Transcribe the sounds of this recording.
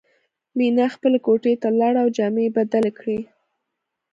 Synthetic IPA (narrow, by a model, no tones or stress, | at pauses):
minaxpəlekoʈet̪alaɽawd͡ʒɑmebad̪alkɽi